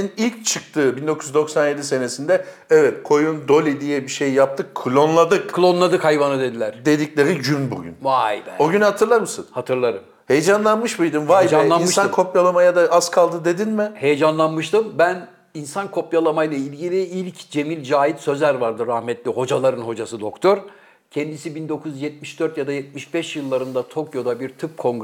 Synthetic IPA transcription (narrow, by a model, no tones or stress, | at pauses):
nilʲc̚t͡ʃʰɯk̚t̪ʰɯbind̪o̞kʰujyzd̪o̞ksanje̞d̪ise̞nesind̪ɛ | ɛvɛt̪kʰo̞jund̪o̞lʲid̪ijɛbiʃejjap̚t̪ʰɯkʰːɯlʲˠo̞nlˠad̪ɯkkʰlʲˠo̞nlˠad̪ɯkhajvanɯd̪e̞d̪ilʲæɾ̥d̪e̞d̪iclʲe̞ɾiɟynbṵɟʲy̰nvajbæoɟynhat̪ʰɯɾlˠaɾmɯsɯ̰nhat̪ʰɯɾlˠaɾɯm | he̞jed͡ʒanlˠanmɯʃbɯjd̪imvajjanj̪ˠaimɯʃankʰo̞pjalˠamajad̪aazkʰalˠd̪ɯd̪e̞d̪inmɪhe̞jed͡ʒanlˠanmɯʃt̪ɯmbæn | insankʰo̞pjalˠamajlˠailʲɟilʲiilʲcd͡ʒe̞milʲd͡ʒaːjit̪sø̞zʲæɾvaɾd̪ɯɾahmɛt̪lʲiho̞d͡ʒalˠaɾɯnho̞d͡ʒasɯd̪o̞kt̪ʰo̞ɾ | cʰɛnd̪isibind̪o̞kʰuzjɛt̪̚miʃd̪̥øɾt̪jad̪ajɛt̪̚miʃbɛʃjɯlˠːaɾɯnd̪at̪ʰo̞kjo̞d̪abiɾt̪ʰɯp̚kʰo̞ŋɡ